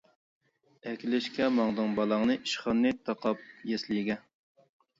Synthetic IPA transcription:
ɛkʲilɪʃkʲɛmɑŋd̪ɨŋbɑlˠɑŋnɨʔiʃχɑnːɨt̪ʰɑqɑp̚jɛslɪɡʲɛ

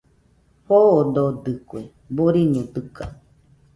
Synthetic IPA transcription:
hood̪od̪ɨkwe | boɾiɲõt̪ɨka̰

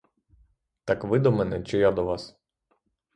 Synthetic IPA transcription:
t̪ɑkʋɪd̪ɔmɛnɛt͡ʃɔjad̪ɔʋɑs

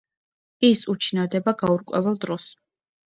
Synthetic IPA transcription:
isut͡ʃʰinaɾd̪ɛbaɡauɾkʼwɛ̰vɛlˠd̪ɾɔs

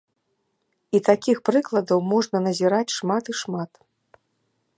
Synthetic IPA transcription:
it̪akʲixpɾɨklˠɐd̪ɐwmɔʐnɐnɐzʲiɾat͡sʲʂmat̪iʂmat̪

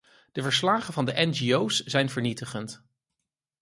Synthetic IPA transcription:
d̥əvəɹslaːχənvɑndəʔɛnd͡ʒiowsz̥ɛjnvəɹnitəχənt

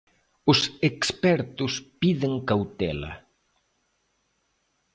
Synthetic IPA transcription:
ʊsekspɛɾt̪ʊspiðeŋkawt̪ɛlɐ̰

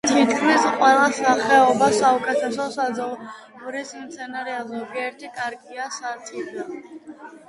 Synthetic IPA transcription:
t̪ʰit̪ʰkʰmisqʼwɛlˠasaχɛɔbasaukʼɛt̪ʰɛsɔsad̪zɔlˠ | ɾismt̪sʰɛnaɾɛazɔɡiɛɾt̪ʰikʼaɾɡʼiasaɾt̪ʰʼida

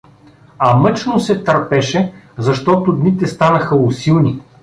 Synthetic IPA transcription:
ɐmɤt͡ʃnosɛt̪ɐɾpɛʃɛzɐʃt̪ɔt̪ʊd̪nit̪ɛst̪anɐxɐʊsilˠni

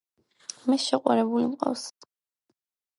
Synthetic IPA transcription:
mɛsʃɛqʼwa̰ɾɛbulimqʼɔ̰fs

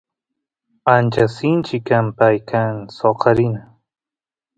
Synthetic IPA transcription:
ant͡ʃasint͡ʃɪkampajkʰansoqʰɑɾɪna

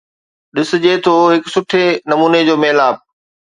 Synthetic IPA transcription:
ɗɪsɪ̆d͡ʑet̪ʰoːɦɪksʊʈʰenɐmuːned͡ʑoːmeːlaːb̚

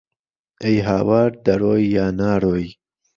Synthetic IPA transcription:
ʔejɦaːwaːɾd̪ɐɾoːjːaːnaːɾoːj

